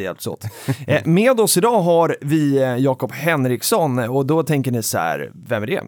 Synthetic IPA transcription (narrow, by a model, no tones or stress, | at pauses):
jɛ̰lpt̪so̰ːt̪meːd̪ɔsɪd̪ɑːɦaɾvɪjɑːkɔphɛnɾɪksɔnːɔd̪ɔt̪ʰɛŋkəɳɪsæ̰ɾ | vɛmːæɖɛ̰